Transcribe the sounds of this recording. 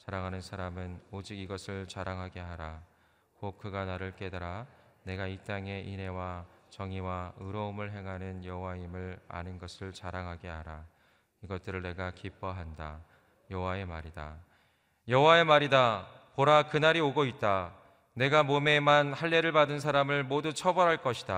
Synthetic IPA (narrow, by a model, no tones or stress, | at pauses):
t͡ɕaɾaŋɦanɯnsʰaɾamɯnod͡ʑiɡiɡʌsʰɯɭt͡ɕaɾaŋɦaɡe̞ɦaɾa | kok̚k͈ɯɡanaɾɯɭk͈e̞daɾa | ne̞ɡait͈aŋe̞ʔinɦe̞wat͡ɕʌŋiwaɯɾʌɯmɯɭɦe̞ŋɦanɯnjʌwaimɯɭa̰nɯnɡʌsʰɯɭt͡ɕaɾaŋɦaɡe̞aɾa | iɡʌt̚t͈ɯɾɯɭne̞ɡakip͈ʰʌɦanda̰ | jʌwae̞maɾida̰ | jʌwae̞maɾida | poɾakɯnaɾioɡoit̚t͈a | ne̞ɡamome̞manhaɭːe̞ɾɯɭbadɯns̬ʰaɾamɯɭmodut͡ɕʰʌbʌɾɦaɭk͈ʌɕʰid̥a